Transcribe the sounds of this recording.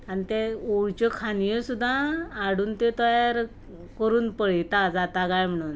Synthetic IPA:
anit̪ɛoɭt͡ɕɔkʰanijɔsud̪ʱːãːɽuːnt̪et̪ɔjaɾ | kəɾuːnpəɭit̪ad͡zat̪aɡajm̤əɽ̃uːn

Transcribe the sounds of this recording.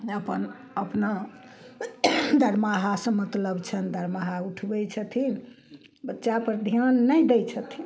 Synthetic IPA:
əpən | əpna | d̪ʱəɾmaɦasə̃mət̪ləbt͡ʃʰənd̪ʱəɾmaɦauʈʰbɛt͡ʃʰət̪ʰin | bətːʃapəɾd̪ʱijənːəjd̪ɛjt͡ʃʰət̪ʰi

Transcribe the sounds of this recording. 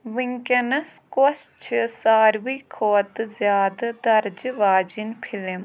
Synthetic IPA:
ʋɪŋkɐnɐskost͡ʃʰsaːɾʋiːkʰoːt̪zjaːd̪d̪ɐɾd͡ʒʋaːd͡ʒinpʰɪlm

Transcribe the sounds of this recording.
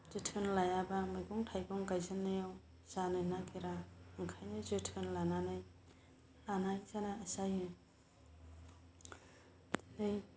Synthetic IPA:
z̥ɯtʰɯnlajabamajɡɔŋtʰajɡɔŋɡajzɯnːɯjaw | z̥anɯjnaɡiɾaɯŋkʰajnɯzɯtʰɯnlananɯj | lanajzanaːsajɯ | nɯj

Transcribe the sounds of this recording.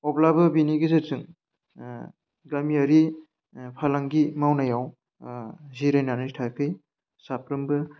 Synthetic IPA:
ɔblabɯbiniɡizesɯŋ | ɡamiaɾi | pʰalaŋɡimawnajaw | ziɾajnanɯjtʰajkʰɯj | sapɾɯmbɯ

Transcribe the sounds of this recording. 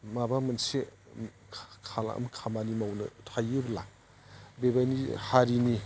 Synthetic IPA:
mabamɯnse | kʰala̰ʔɐ̰mkʰamanimawnɯ̰tʰajɯbla | bebajnihaɾini

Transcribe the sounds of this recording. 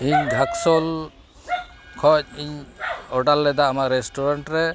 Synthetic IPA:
ɦiɲɡʱaksɔl | kʰɔc̚iɲɔʈalːɛd̪aːmaɾɛsʈɔɾaɳʈɾɛ

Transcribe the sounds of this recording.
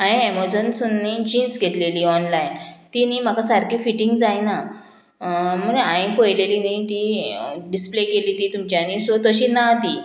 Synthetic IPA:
aĩeməd͡zənsunːid͡ʑinsɡʱet̪leliːɔnlajnt̪iniːm̤akasaɾkiːfiʈĩŋɡd͡zajna | m̤əneãĩpəjleliːnĩt̪iɖisplekeliːt̪iːt̪umt͡ɕjanisot̪əɕiːnat̪iː

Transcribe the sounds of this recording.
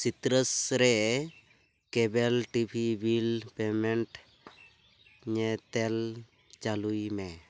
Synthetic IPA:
sit̪ɾəsɾɛ | kɛbɛlʈibʱibʱilpɛmɛɳʈ | ɲɛt̪ɛl | t͡ʃalujmɛ

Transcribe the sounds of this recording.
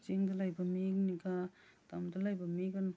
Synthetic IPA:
t͡ʃiŋdɐlajbɐmikniɡa | tamdalajbɐmiɡan

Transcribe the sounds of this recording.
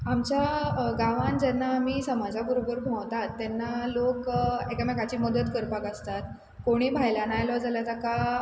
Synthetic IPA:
amt͡ɕaɡaʋãnd͡zɛnːaːmiːsəmad͡zʱakuɾobəɾbʱãwt̪at̪ːɛnːalokekamɛkat͡ɕiːməd̪ət̪kəɾpakəst̪at̪ | koɽ̃iːbʱajlanajlɔd͡zaljat̪aka

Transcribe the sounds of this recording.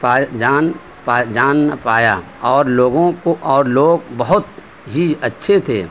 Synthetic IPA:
paːd͡ʒaːn | paːd͡ʒaːnːapaːja | ɔːɾloːɡõkoʔɔːɾloːɡbɐɦʊt̪ | ɦiɐtːʃʰet̪ʰḛː

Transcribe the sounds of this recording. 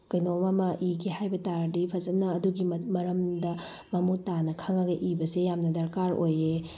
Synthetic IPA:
kɐjnomamɐʔiɡihajbɐtaɾdipʰɐzɐnɐːduɡimɐɾɐmdɐ | mɐmutanɐkʰaŋɐɡɐʔibɐsejamnɐdɐɾkaɾoje

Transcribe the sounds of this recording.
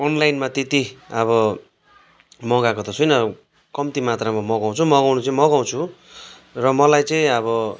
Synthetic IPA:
onlajnmat̪et̪iʌβʌ | mʌɡakot̪ʌsʰujnʌ | kʌmt̪imat̪ramamʌɡaw̃t͡sʰumʌɡawnut͡sʌĩmʌɡaw̃t͡sʰu | rʌmʌlajt͡sʌĩʌβʌ

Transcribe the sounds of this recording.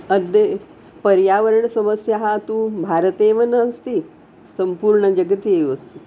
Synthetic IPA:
əd̪ə | pəɾjaʋəɾəɳəsəməsjaɦat̪ũːbʱaɾt̪eʋənəəst̪iː | səmpuɾɳəd͡ʒəɡət̪ieəst̪u

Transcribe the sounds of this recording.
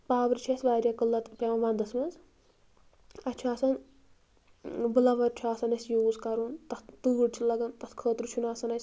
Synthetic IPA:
paːbɾʲt͡ʃʰɐsʲʋaːɾʲjɐkɨlːɐt̪pʲemɐʋɐnd̪ɐsmɐnz | ɐt͡ʃʰaːsɐn | bɨlɐʋɐɾt͡ʃʰuaːsɐnɐsjoːzkɐɾunt̪ɐt̪t̪ɨːɖʲt͡ʃʲʰulɐɡɐnt̪ɐt̪kʰəːt̪ɾut͡ʃʰunaːsɐnɐjsʲ

